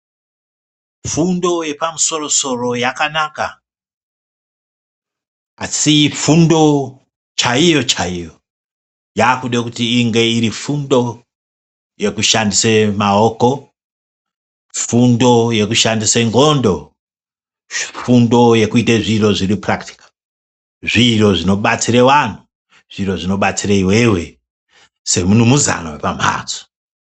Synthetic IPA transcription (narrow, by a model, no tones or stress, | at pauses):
fundo̞je̞pamuso̞ro̞so̞ro̞jakanaka | asifundo̞ | t͡ʃaijo̞t͡ʃaijo̞ | jaːkuɗekutiːŋɡe̞iɾifundo̞ | je̞kuʃandisemaoko̞ | fundo̞je̞kuʃandiseŋɡondo̞ | fundo̞je̞kuiteʐiro̞ʐiriprakti̥kḁ | ʐiro̞ʐino̞ɓat͡siɾewan̤u | ʐ̥iɾo̞ʐino̞ɓat͡sireiwewe̞ | se̞munumuza̰nawḛpam̤a̰ːt͡so̥